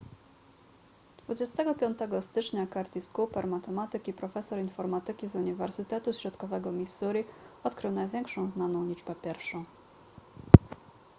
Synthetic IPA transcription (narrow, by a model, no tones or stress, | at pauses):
d̪̥vud͡ʑɛst̪ɛɡɔpʲjɔnt̪ɛɡɔst̪ɘt͡ʂɲakaɾt̪ʲiskupɛɾmat̪ɛmat̪ɘkipɾɔfɛsɔɾinfɔɾmat̪ɘkʲizuɲivɛɾsɘt̪ɛt̪uɕɾɔt̪kɔvɛɡɔmʲisːuɾʲiɔt̪kɾɘwnajvʲjɛŋkʂɔ̃w̃znanɔ̃w̃lʲid͡ʐbɛpʲjɛɾfʂɔ̃w̃